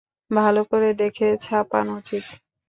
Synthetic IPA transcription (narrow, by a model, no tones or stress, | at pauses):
bʱalokoɾed̪ekʰet͡ɕʰapa̰nut͡ɕit̪